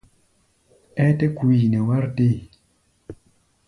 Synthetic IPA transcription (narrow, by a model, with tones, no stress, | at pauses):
ɛ˦te˦kwi˨nɛ˨wa˦ɾte˦˨